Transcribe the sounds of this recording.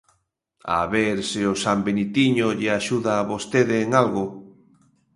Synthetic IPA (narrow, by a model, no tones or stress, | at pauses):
a̰βeɾsɪosambenit̪iɲoʎɪaʃuðaːβost̪eðɪːŋalɣʊ